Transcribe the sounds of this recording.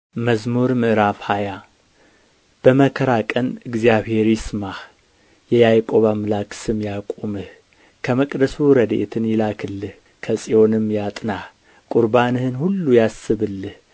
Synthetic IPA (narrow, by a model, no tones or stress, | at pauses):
məzmuɾmɨʔɾafhaja | b̥əməkʰəɾakʼənɨɡzijaβhe̞ɾisɨmah | jɛjajkʼo̞βamɨlaksɨmjakʼomɨh | kʰəməkʼd̪əsuɾəd̪ḛt̪ʰɨnjɪlakʰɨlːɨh | kʰəsʼijo̞nɨmjat̪ʼnah | kʼuɾbanɨhɨnhulːujasːɨβɨlːɨh